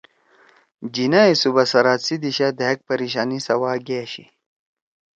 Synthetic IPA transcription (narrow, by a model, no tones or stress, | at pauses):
d͡ʑinaisubɐsɐɾaːsid̪iɕad̪eɦɐk̚pɐɾiɕ̬aːnisɐwaːɡeːɕḭ